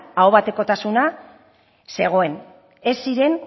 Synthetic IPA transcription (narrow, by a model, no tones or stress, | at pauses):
awβat̪e̞ko̞t̪asuna | se̞ɣ̞o̞e̞n | e̞siɾe̞n